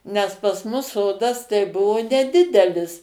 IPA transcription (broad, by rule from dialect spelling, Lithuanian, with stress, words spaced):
nʲɛs pɐs ˈmʊs ˈsoːdɐs tɐɪ ˈbʊʋoː nʲɛˈdʲɪdʲɛlʲɪs